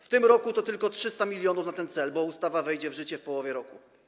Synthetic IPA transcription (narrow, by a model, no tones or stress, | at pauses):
ft̪ɘmɾɔkut̪ɔt̪ɘlkɔtʂɘst̪amʲilʲjɔnufnat̪ɛnt̪sɛlbɔust̪avavɛjd͡ʑɛvʐɘt͡ɕɛfpɔwɔvʲjɛɾɔku